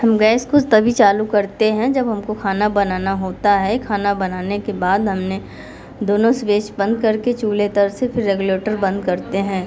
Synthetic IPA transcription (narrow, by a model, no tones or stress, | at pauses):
hɐmɡɛːskot̪ɐbʱit͡ʃaːlukɐɾt̪eɦɛ̃d͡ʒɐbɦɐmkokʰaːnabɐnaːnaɦoːt̪aɦɛkʰaːnabɐnaːnekebaːd̪ɦɐmne | d̪oːnõsʋeːʃbɐ̃nd̪̚kɐɾket͡ʃuːlet̪əɾsepʰɪɾːɛɡʊleːʈəɾbɐ̃nd̪̚kɐɾt̪eɦɛ̃ː